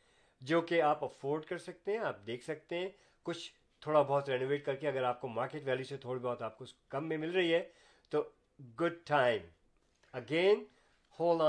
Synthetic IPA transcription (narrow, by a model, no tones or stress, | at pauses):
d͡ʒoːkeaːpɐfoːɾɖkɐɾsɐk̚t̪eɦɛ̃aːp̚d̪eːkʰsɐk̚t̪eɦɛ̃ | kʊt͡ʃʰ | t̪ʰoːɽabɔɦʊt̪ɾɛːnoːʋeːʈ̚kɐɾkeɐɡəɾaːp̚komaːɾkeːʈʋɛːljuset̪ʰoːɽibɔːt̪aːp̚kokɐ̃mːẽmɪlɾɐɦiɦɛː | t̪oː | ɡʊɖ̚ʈʰaːɪ̃m | ɐɡeːn | hoːl